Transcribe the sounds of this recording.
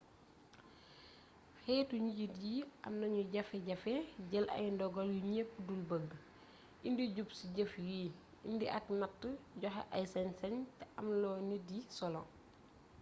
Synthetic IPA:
xɛːtuɲiɟitɟiʔɐ̰mnɐɲuɟɐfɛɟɐfɛɟɐlʔɐ̰jndɔɡɔljuɲepːudulbəɡ | ʔindiɟupsiɟəfji | indiʔɐknɐtːəɟɔxɐ̰ʔɐjsɐnsɐntɛʔɐmlɔːnidisɔlɔ

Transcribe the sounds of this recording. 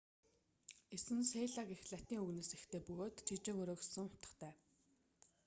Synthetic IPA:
esɘ̆nseːɮakexɮat̪iːŋɵɣneːsext̪ʰeːpɵɣoːt̪t͡ɕʰit͡ɕĕːxɵɾoːksə̆ŋʊ̥t̪ə̥̆χt̪ʰæː

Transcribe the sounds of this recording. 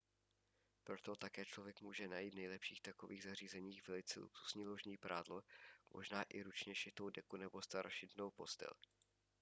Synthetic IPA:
pɾo̞t̪ot̪akɛːt͡ʃlo̞vjɛkmuːʒɛnajiːt̪nɛjlɛpʃiːxt̪ako̞viːɣzar̝iːzɛɲiːxvɛlɪt͡sɛ̰lṵksu̥sɲiːloʒɲiːpɾaːdlomʔo̞̰ʒnaːʔɪɾut͡ʃɲɛʃɪt̪owdɛkunɛbo̞st̪aɾʃɪdnowpo̞st̪ɛ̰l

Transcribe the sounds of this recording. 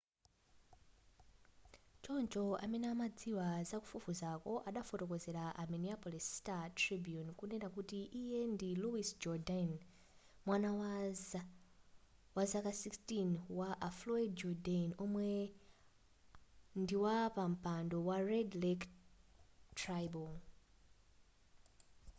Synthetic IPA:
t͡ʃont͡ʃoa̰menaːmad͡ziwazaku̥fufuzako̞ʔaɗafoto̞kozeɾaʔaminiapolistatribijunkunenakutiʔːjendiluisd͡ʒɔdan | mwanawa | wazakasikstinwaʔafloidd͡ʒodanomwe | ndiwapam̩paːndowaredlek | trajbo

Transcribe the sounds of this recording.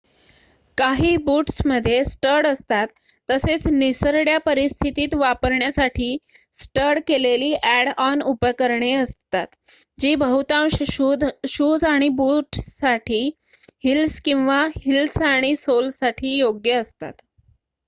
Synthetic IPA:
kaɦiːbuːʈsməd̪ʱːjesʈəɾɽəst̪at̪ː | əset͡snisəɾɽjapəɾist̪ʰit̪iːt̪ʋapəɾɳjasaʈʰiːsʈəɾɽkeleliːʔæɽanupkəɾɳeəst̪at̪ | d͡ʑiːbəɦut̪ãm | ɕud͡zaɽ̃ibuːʈsaʈʰiː | hilskĩw̃ʋahilsaɽ̃isolsaʈʰiːjoɡjəːst̪a̰t̪

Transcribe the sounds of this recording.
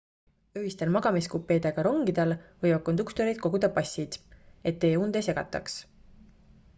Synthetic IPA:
øɦist̪elmɑɡ̥ɑmiskupːˑe̞jd̪̥e̞ɡ̥ɑɾo̞ŋɡ̥id̪̥elvɤjɑkːo̞nd̪ukt̪oɾid̪̚ko̞ɡ̥ud̪̥ɑpɑsʲːid̪̥e̞t̪ːe̞ːund̪e̞se̞ɡ̥ɑ̰t̪ːˑɑ̰ks

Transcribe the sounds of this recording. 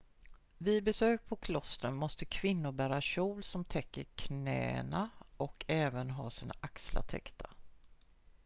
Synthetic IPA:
vɪbɛsøːk̚pʰɔkʰlɔst̪ɾənmɔst̪əkʰvɪnːʊɾbæːɾaɕuːlsɔmt̪ʰɛkːəɾkʰnɛ̰ːə̰naʔɔkʰɛːvənɦɑːsiːna̰ʔaksla̰t̪ʰɛ̰kt̪ʰa

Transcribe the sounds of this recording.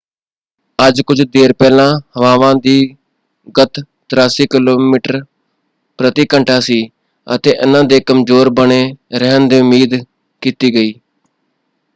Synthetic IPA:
əd͡ʒkʊd͡ʒd̪eːɾpɛːlãːhəʋaːʋãːd̪iː | ɡət̪ | t̪ɾaːsiːkɪloːmiːʈəɾ | pɾət̪iːkəɳʈʰaːsiː | ə̰t̪eːʔɪnãːd̪eːkəmzoːɾbəɳeːɾɛɦənd̪eːʊmiːd̪ | kiːt̪iːɡəiː

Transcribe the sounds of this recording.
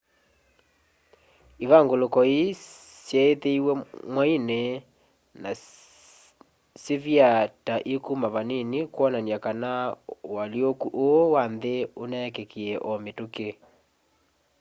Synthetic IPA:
iβaŋɡolokɔi | sjɛeteiwɛmwaine | na | sevjataʔekumaβaninikwɔnaniakanawaliokuʔowanðeonɛkekiɛʔɔmetoke

